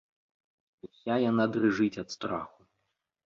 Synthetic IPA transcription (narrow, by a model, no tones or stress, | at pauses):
usʲajanad̪rɨʐɨt͡sʲɐt̪st̪ɾa̰xu